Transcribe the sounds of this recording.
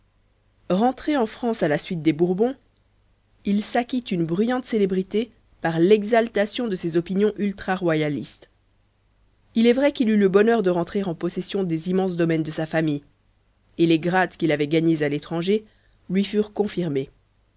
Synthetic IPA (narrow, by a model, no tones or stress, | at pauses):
ʁɑ̃t̪χeɑ̃fχɑ̃salasɥit̪̚d̪ebuʁbɔ̃ | ilsakʲit̪ynbʁyjɑ̃t̪selebʁit̪e | paʁlɛɡzalt̪asjɔ̃d̪əsezɔpinjɔ̃ʔylt̪χaʁwajalist̪ | ilɛvʁɛkilyləbɔnœʁd̪əʁɑ̃t̪χeʁɑ̃pɔsɛsjɔ̃d̪ezimɑ̃sd̪ɔmɛnd̪əsafamij | eleɡʁat̪kʲilavɛɡaɲezalet̪χɑ̃ʒe | lɥifyʁkɔ̃fiʁme